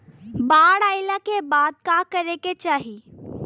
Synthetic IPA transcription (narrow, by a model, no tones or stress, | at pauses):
baːɽaːɪlakebaːd̪̚kaːkɐɾeket͡ʃaːɦi